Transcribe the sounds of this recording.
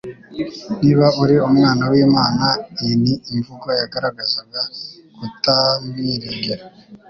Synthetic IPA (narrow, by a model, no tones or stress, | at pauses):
niːβauɾiomŋaːnawiːmaːnainiːvuɡojaɡaɾaɡazaɡakutaβiɾeɡeɾa